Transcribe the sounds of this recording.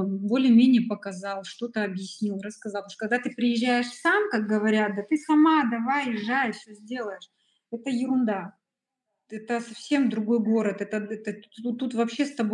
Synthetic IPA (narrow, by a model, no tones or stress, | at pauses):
bo̞lʲɪjəmʲenʲɪjəpəkɐzɑlˠʂt̪o̞t̪əɐbjɪsʲnʲilˠrəskɐzɑlˠoʂkɐɡ̚d̪at̪ɨpɾʲɪjɪʑːæjɪʂsamkak̚ɡəvɐɾʲat̪̚d̪ɐt̪ɨsɐmad̪ɐvajɪʐːajfsʲɵzʲdʲe̞lˠəjɪʂ | ɛt̪əjɪɾʊnd̪a | ɛt̪əsɐfsʲe̞md̪ɾʊɡo̞jɡo̞ɾət̪ɛt̪əɛt̪əut̪ːut̪vɐpɕːe̞st̪ɐbo